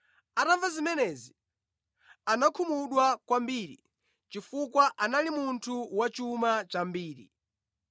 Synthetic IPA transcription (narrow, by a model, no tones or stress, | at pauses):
ataɱvazimɛnɛzi | anakʰumuɗwakwambiːɾḭ | t͡ʃifukwaʔanalimuntʰuwat͡ʃumat͡ʃambiːɾḭ